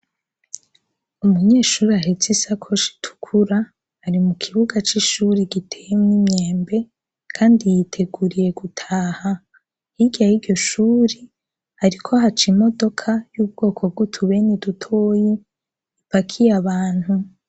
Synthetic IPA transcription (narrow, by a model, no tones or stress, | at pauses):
umuɲe̞ːʃuːɾiaɦet͡sisakʰo̞ʃi̥tʰu̥kʰuɾa | haɾimukʰiβuɡat͡ʃiʃuɾiɡitʰejemŋimɲeːmbe̞ | kʰaːndijitʰe̞ɡuɾije̞ɡutʰaːha | hiɡajiɾɟo̞ʃuːɾi | haɾikʰo̞ɦat͡ʃimo̞do̞kʰajuːb̚ɡ̥o̞ːkʰob̚ɡutʰuβe̞nidutʰo̞ːji | ipakʰijaβaːn̥hu